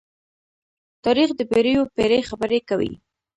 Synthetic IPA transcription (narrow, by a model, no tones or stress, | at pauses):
t̪ɑɾixd̪əpeɾəjopeɾexabəɾekawḭ